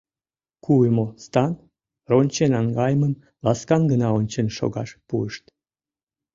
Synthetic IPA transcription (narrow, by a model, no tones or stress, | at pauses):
kujmost̪ɑn | ronʲt͡ɕenɑŋɡɑjəməm | lɑskɑnɡənɑonʲt͡ɕenʃo̰ɣɑʃpuəʃt̪